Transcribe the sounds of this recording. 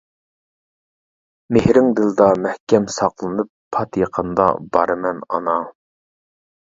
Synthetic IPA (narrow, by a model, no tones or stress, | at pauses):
mehɾɪŋd̪ɪlɨd̪ɑmæhkʲɛmsɑqlˠɨnɨpʰːɑt̪jeqʰənd̪ɑ̰bɑɾɨmɛnɑ̰nɑ